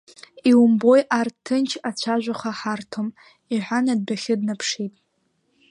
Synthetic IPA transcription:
iwumbo̞jʔartʰːɨnt͡ʃʰat͡ɕʷʰaʒᶣʷaχaħartʰom | iħʷanad̚baχʲɪdnapʰʂitʼ

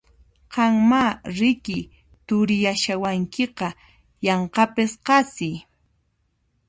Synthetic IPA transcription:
qɑŋmaɾɪkɪ | t̪ʊɾɪjaʃawaŋkɪqɑ | jɑɴqɑpɪsqɑsɪj

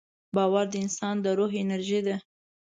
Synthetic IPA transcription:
bɑwaɾd̪əɪnsɑnd̪əɾoɦɪnaɾʒid̪a

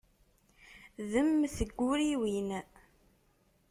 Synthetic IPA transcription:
ðəmθəɡːʊɾiwin

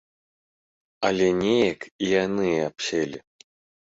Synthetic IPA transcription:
ɐlʲɛnʲɛjɐkijanɨjɛapsʲɛlʲi

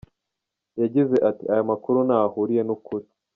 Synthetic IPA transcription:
jaɟize̞ʔatiajomakuɾunahuɾije̞nukuɾi

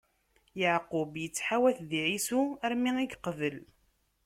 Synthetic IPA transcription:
jəʕqʊbjət͡sːħawæθðiʕisuəɾmiŋiɡqəvəl

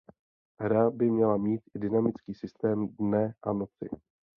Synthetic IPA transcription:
ɦɾabɪmɲɛlamiːt̪ɪdɪnamɪt͡skiːsɪst̪ɛːmdnɛʔano̞t͡sɪ̰

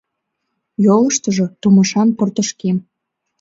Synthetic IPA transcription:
joləʃt̪əʒot̪uməʃɑnpərt̪əʃkem

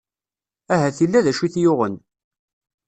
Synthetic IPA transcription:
æɦæθilːæðæʃiθjʊʁən

